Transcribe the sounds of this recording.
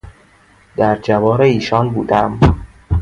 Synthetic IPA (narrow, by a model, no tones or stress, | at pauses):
d̪̥æɾd͡ʒævɒːɾeiːʃɒːnbṵːd̪æm